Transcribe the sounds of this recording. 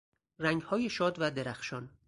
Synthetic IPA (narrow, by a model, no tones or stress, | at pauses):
ræŋɡhɒːjeʃɒːd̪væd̪eɾæxʃɒːn